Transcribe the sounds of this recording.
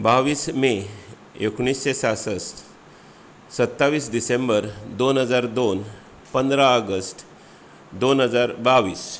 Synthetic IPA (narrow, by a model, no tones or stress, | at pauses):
baʋiːsme | ekɳ̃isɕesasəs | sət̪ːaʋiːsɖisembəɾd̪onɦəd͡zaɾd̪on | pənd̪ɾaəɡəsʈ | d̪onɦəd͡zaɾbaʋiːs